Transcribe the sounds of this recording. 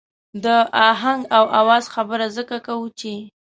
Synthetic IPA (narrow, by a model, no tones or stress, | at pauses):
d̪əaɦaŋɡawawɑzxabəɾazəkakawut͡ʃe